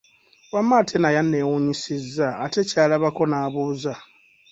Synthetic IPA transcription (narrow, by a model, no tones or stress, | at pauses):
wamːatʰenajanːewuɲisizːaːte̞caːlaβako̞naːβuːza